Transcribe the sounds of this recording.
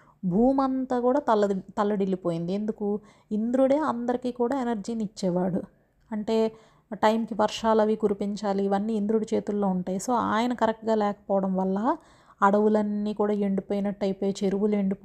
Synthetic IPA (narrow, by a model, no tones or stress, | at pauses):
bʱuːmɐnt̪aːkuːɽaːɐlɐt̪ɐlːɐɽilːipo̞ːjind̪ie̞nd̪uku | ind̪ɾuɽeːɐnd̪ɐɾikiːkuːɽaːenɐɾd͡ʒiːnit͡ʃːɛːʋaːɽu | ɐɳʈe̞ː | ʈɐjmkiʋɐɾʂaːlɐʋiɡuɾipiɲt͡ʃaːliːʋɐnːiːnd̪ɾuɽit͡ʃe̞ːt̪ulːo̞ːuɳʈaːjiso̞ːa̰ːjɐnɐkɐɾɛk̚ʈɡaːlɛːkɐ̥pɔːʋɐɽɐmʋɐlːɐ | ɐɽɐʋulɐnːiːkuːɽaːeɳɖipoːjinɐʈːɐjpoːjet͡ʃeɾuʋule̞ɳɖip